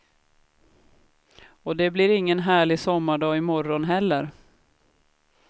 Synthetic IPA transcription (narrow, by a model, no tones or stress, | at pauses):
ɔd̪ɛblɪɾɪŋːənɦæːɭɪsɔmːaɖɑːɪmɔɾɔnɦɛlːəɾ